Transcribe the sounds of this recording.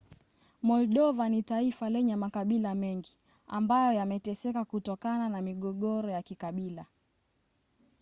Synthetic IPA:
mɔlɗɔvanitaifalɛɲɛmakaɓilamɛŋɡi | a̰mbajɔjamɛtɛsɛkakutɔkananamiɠɔɠɔɾɔjakikaɓila

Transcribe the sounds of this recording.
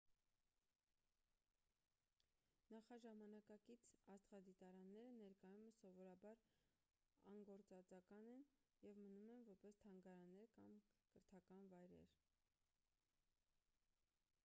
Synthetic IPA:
nɑχɑʒɑmɑnɑkɑkit͡sʰɑst̪χɑd̪it̪ɑɾɑnːɛɾənɛɾkɑjuməsɔvɔɾɑbɑɾ | ɑ̰ŋɡɔɾt͡sɑt͡sɑkɑnɛnjɛvmənumɛnvɔɾpɛst̪ʰɑŋɡɑɾɑnːɛɾkɑmkəɾt̪ʰɑkɑnvɑjɾɛ̰ɾ

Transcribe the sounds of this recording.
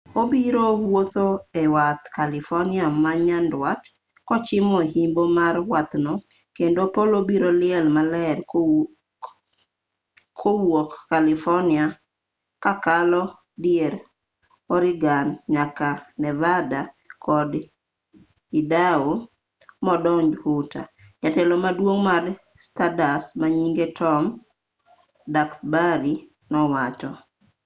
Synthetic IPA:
obiɾowwot̪oɛwat̪kalɪfɔnɪamaɲandwat | kɔt͡ʃɪmɔhimbomarwat̪nɔ | kendopolobiɾolɪɛlmalɛr | kʰowokːalɪfɔnɪa | kakalɔ | djeɾ | ɔɾɪɡanɲakanɛvada | kʰɔd | idao | mɔdɔɲd͡ʒhuta̰ | ɲatɛlɔmadwoŋmar | stadasmaɲiŋɡetʰɔm | daksbaɾi | nɔwat͡ʃɔ

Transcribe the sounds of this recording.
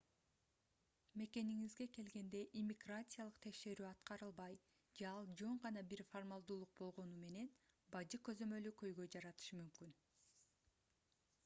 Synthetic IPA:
me̞ke̞niŋizɡe̞ke̞lɡe̞nd̪e̞ʔimʲiɡrat̪sɨjalˠɯqt̪ʰe̞kʃe̞ɾyːɑt̪qɑɾɯlˠbɑj | d͡ʒeɑlˠd͡ʒo̞ɴʁɑnɑbiɾformalˠd̪uːlˠuq̚bo̞lˠʁo̞nume̞ne̞nbɑd͡ʒɯkø̞zø̞mø̞lykø̞jɡø̞jd͡ʒɑɾɑt̪ɯ̥ʃɯmymkyn

